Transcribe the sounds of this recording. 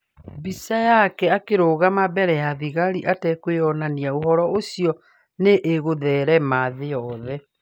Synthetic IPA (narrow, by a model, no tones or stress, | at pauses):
bisajakɛakeɾoɣamabɛɾɛjaðiɣaɾiʔatɛkweɔnaniaohɔɾɔosijɔ | neʔeɣoðɛːɾɛmaðeɔðɛ